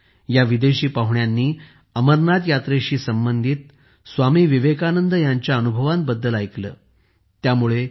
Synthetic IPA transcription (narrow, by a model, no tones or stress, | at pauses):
jaʋid̪eɕiːpaɦuɳjanːiː | əməɾnad̪jat̪ɾeɕiːsəmbənd̪ʱiːt̪ | sʋamiːʋiʋekanənd̪əjaɲt͡ɕjaənubʱəʋan̚bəd̪ːəlajklə̰ː | t̪jamuɭe